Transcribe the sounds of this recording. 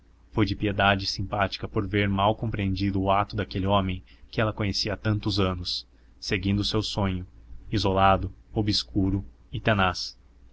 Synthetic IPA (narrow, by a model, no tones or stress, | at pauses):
fojd͡ʒɪpied̪ad͡ʒɪsĩmpat͡ʃi̥kɐpoɾveɾmawkõmpɾiẽnd͡ʒid̪ʊːat̪ʊd̪akelɪɔ̃mẽj̃ | kɪɛlɐkõɲesiɐat̪ɐ̃nt̪ʊzɐ̃nʊsː | eɡĩnd̪ʊsewsõɲʊizolad̪ʊobiskuɾʊ | ɪt̪enas